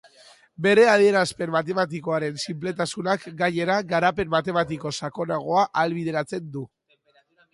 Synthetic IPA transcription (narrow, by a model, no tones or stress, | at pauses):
be̞ɾe̞að̞ie̞ɾaspe̞nmat̪̬e̞mat̪̬iko̞aɾe̞nsimple̞t̪asunakɡaɲe̞ɾaɡaɾape̞mːat̪e̞mat̪̬iko̞sako̞naɣ̞o̞aʔalβ̞ið̞e̞ɾat͡se̞nd̪u